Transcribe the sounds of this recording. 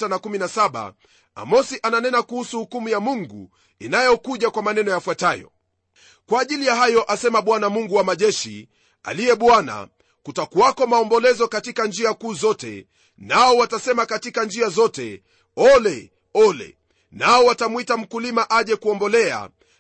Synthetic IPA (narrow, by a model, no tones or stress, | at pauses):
tanakuminasaɓa̰ | a̰mɔsiʔananɛnakuhusuhukumujamuŋɡṵ | inajɔkuʄakwamanɛnɔjafwatajɔ̰ | kwaːʄilijaɦajɔʔasɛmaɓwanamuŋɡuwamaʄɛʃḭ | a̰lijɛɓwana̰ | kutakuakɔmaɔmbɔlɛzɔkatikand͡ʒiakuːzɔtɛ̰ | naɔwatasɛmakatikand͡ʒiazɔtɛ̰ | ɔlɛ | ɔlɛ̰ | naɔwatamwitam̩kulimaʔaʄɛkuɔmbɔlɛa̰